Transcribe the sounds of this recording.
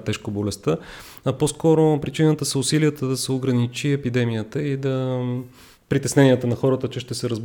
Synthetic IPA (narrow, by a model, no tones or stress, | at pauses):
t̪ɛʃkobolɛst̪ə | ɐposkɔɾopɾit͡ʃinət̪əsɐʊsiliət̪əd̪ɐsɛoɡɾɐnit͡ʃiɛpid̪ɛmijət̪əid̪ɐ | pɾit̪ɛsnɛnijət̪ənɐxɔɾət̪ət͡ʃɛʃt̪ɛsɛɾəzb